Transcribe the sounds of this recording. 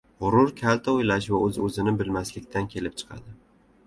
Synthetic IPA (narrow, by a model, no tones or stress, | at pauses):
ʁʊɾʊɾkʲʰalt̪ʰaojlaʃvaɵzɵzɪnɪbɪlmaslɪk̚ʲt̪ʰankʲʰe̞lɪp̚t͡ʃʰɨ̥qʰɑ̰d̪ɪ